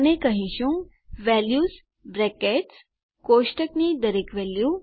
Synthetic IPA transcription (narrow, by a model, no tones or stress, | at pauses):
nẽkəɦĩɕũŋ | ʋɛljuːs | bɾɛkeʈs | koɕʈəknid̪əɾekʋɛlju